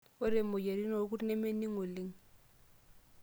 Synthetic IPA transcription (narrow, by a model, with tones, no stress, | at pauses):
ʊ˦ɾɪ˨mʊ˨je˨ɾi˦nɔ˨˦k̬ʊ˦nɛ˦me˦ni˦ŋʊ˨lɪ˦ŋ̩˦˨